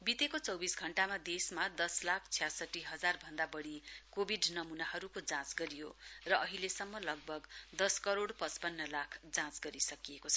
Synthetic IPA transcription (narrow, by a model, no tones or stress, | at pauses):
bit̪ekot͡sʌwbisɡʱʌɳʈamad̪esmad̪ʌslakʰt͡sʰijasʌʈːiɦʌd͡zarbʱʌnd̪abʌɽikobʱiɖnʌmunaɦʌɾukod͡zãt͡sɡʌɾijorʌʔʌɦilesʌmːʌlʌɡ̚bʱʌɡd̪ʌskʌɾoɽpʌt͡spʌnːʌlakʰd͡zãt͡sɡʌɾisʌkijekot͡sʰʌ